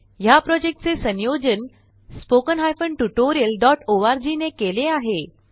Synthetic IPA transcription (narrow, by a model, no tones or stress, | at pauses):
ɦjapɾɔd͡ʑek̚ʈt͡sesə̃njod͡ʑən | spokənɦajfəɳʈuʈoɾijəlɖɔʈoʋaɾd͡ʑinekeleaɦe